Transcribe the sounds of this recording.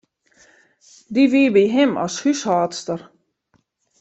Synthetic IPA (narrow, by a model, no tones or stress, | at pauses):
diʋiəbiɦɪmɔ̰shyshɑːtstər